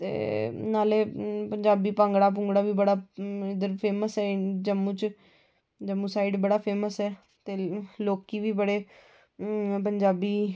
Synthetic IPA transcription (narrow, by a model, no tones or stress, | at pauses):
t̪ḛːnaːleːpəɲd͡ʒaːbiːpãŋɡɽaːp̬ʊ̃ŋɡɽaːʋiːbəɽaːɪd̪əɾpʰeːməsɛːd͡ʒəmːũːt͡ʃ | d͡ʒəmːũːsaːɪɖbəɽaːpʰeːməsɛː | t̪eːloːkiːʋiːbəɽeː | pəɲd͡ʒaːbiː